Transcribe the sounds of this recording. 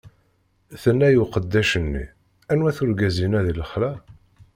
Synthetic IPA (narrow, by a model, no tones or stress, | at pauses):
θənːæjuqəd̪ːæʃənːḭ | ænwæθʊɾɡæzinæðiləχlæ